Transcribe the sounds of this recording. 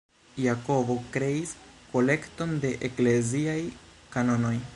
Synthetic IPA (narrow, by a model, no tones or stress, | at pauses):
jako̞bo̞kɾe̞isko̞le̞kto̞nde̞ʔekle̞ziajkano̞no̞j